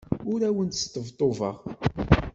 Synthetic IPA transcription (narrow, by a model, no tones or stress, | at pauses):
ʊɾæwənt̪st̪ːəvt̪ˤːovə̰ʁ